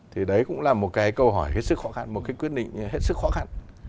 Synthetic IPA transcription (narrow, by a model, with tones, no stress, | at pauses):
t̪ʰi˨˩ɗə˨˦jkʊ̰˧˥ŋ͡mlaː˨˩mo˨˩t̚kaː˨˦jkə˧wɦɔ˧˩jhe˦˥t̚sɨ˦˥k̚xɔ˨˦xa˧nmo˨˩t̚kaː˨˦kwi˦˥ət̚ɗḭ˧˨ŋ̟ɦe˦˥t̚sɨ˦˥k̚xɔ˨˦xa˧n